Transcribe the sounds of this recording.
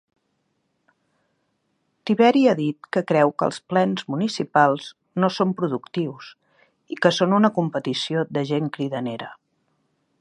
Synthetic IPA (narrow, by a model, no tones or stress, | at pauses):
t̪iβɛɾiaðit̪̚kəkɾɛwkə̰lˠsplɛnzmunisipalˠz | nosompɾuðukt̪iws | ikəsonunəkumpət̪isiod̪əʒeŋkɾiðəneɾə